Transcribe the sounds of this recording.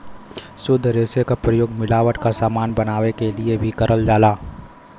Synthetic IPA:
sʊd̪ʱɾeːsekapɾəjoːɡmɪlaːʋəʈkasaːmaːnbɐnaːʋekeliebʱikɐɾʔəld͡ʒaːlaː

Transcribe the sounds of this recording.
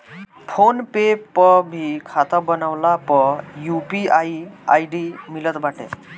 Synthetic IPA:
fʰonpepːəbʱikʰat̪əbənawlapɔjupiaia̰jɖimilət̪baʈḛ

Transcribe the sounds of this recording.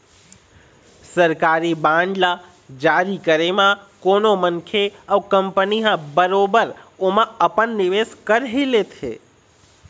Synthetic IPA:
səɾkaːɾibãːɳɖla | d͡ʒaːɾikəɾemãkoːnomənkʰeəʋkəmpəniɦãbəɾoːbəɾomãəpənːɪʋeːskəɾɦilet̪ʰḛː

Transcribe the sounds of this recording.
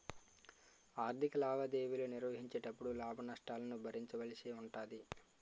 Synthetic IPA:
aːɾd̪ʱikɐlaːbɐd̪eːʋiloniɾʋɐɦiɲt͡ʃeːʈɐpːuɽulaːbʱɐnɐʂʈaːlɐnubʱɐɾiɲt͡ʃɐʋɐlisiuɳʈaːd̪i

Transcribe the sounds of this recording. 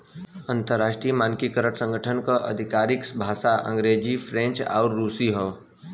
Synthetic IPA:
ə̃nt̪əɾːaːʃʈɾijmaːnkikəɾəʈsə̃ŋɡʱəʈʰənkəʔə̰d̪ʱɪkaːɾɪksbʱaːsaʔə̰̃ŋɡɾeːd͡ʒifʰɾẽɲt͡ʃa̰ʊɾːuːsiɦə

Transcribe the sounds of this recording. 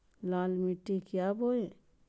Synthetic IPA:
laːlmiʈːikjaːboe

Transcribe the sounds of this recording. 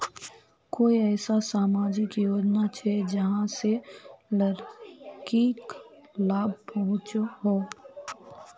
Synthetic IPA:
koːiɛːsasaːmaːd͡ʒɪkjoːd͡ʒnat͡ʃʰɛd͡ʒɐɦãselɐɾkiːk | laːb̚ʱpɔɦʊ̃t͡ʃɦoː

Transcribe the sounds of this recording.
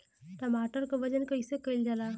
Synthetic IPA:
t̪amaʈəɾkəʋəd͡ʑənkəjsəkəild͡zala

